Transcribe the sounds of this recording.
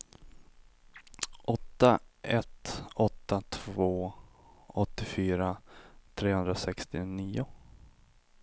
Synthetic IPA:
ʔɔt̪ːaʔɛt̪ɔt̪ːat̪ʰvoː | ɔt̪ːɪfyːɾat̪ʰɾeːhɵnd̪ɾasɛkst̪ɪniːʊ

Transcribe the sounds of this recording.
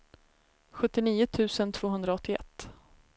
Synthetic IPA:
ɧɵt̪ːɪniːʊt̪ʰʉ̟ːsənt̪ʰv̥oːɦɵnd̪ɾaɔt̪ːɪɛ̰t̪ː

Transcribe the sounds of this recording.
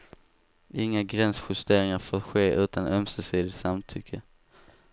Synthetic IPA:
ɪŋːaɡɾɛnsɧɵst̪eːɾɪŋaɾfoːtɧeːʔʉ̟ːt̪anœmsəsiːd̪ɪt̪samt̪ʰʏkʰːə

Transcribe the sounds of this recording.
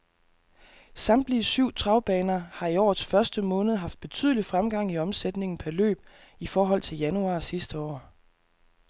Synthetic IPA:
sɑ̈md̥liəsyʊ̰t͡sʰʁɑ̈ʊb̥ɛːnɐhɑ̈iɒ̰ːðˠsfɶɐsd̥əmɔ̽ːnð̞̩ˠɦɑ̈fd̥̚b̥e̝t͡sʰy̰ð̞̰ˠəlifʁamɡ̥ɑ̈ŋ̰iɒ̽msed̥ne̝ŋn̩pʰæɐlø̰ːb̥̚ | ifɒːɦɒ̽l̰t͡sʰe̝ljænuɑ̰̈ːsisd̥əɒ̰ː

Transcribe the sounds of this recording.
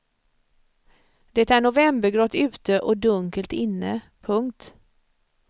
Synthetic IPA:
d̪ɛt̪æɳʊvɛmbəɾɡɾɔt̪ːʉ̟ːt̪əʔɔd̪ɵŋkəlt̪ɪnːə | pʰɵŋkt̪

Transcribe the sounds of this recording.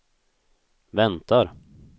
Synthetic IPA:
vɛnt̪aɾ

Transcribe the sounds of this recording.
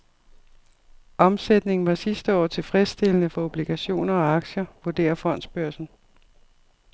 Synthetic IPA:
ʔɒ̽msed̥ne̝ŋn̩ʋɑ̈sisd̥əɒ̰ːt͡sʰe̝lfʁɛsd̥e̝lənəfɒ̽o̝b̥liɡ̥æɕo̝̰ːnɐɒ̽ɑ̈ɡ̥ɕɐʋuɐd̥e̝̰ːɐfɒ̽n̰d̥sb̥ɶɐsn̩

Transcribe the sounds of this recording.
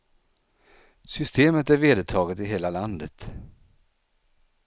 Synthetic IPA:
sʏst̪eːmət̪æɾveːd̪ət̪ʰɑːɡət̪ɪɦeːlaland̪ət̪

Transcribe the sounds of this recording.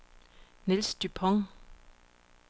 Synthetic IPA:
nilsd̪̥ypʰɔŋ

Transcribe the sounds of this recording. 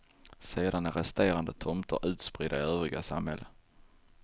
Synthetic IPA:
seːd̪anæɾɛst̪eːɾand̪ət̪ʰɔmt̪ʰə̰ɾʉ̟ːt̪spɾɪd̪aɪøːvɾɪɡasamhɛlːə

